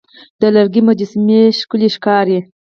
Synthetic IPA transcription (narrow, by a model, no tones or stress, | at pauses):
d̪̥əlaɾɡimad͡ʒɪsmeʃkuliʃkɑɾi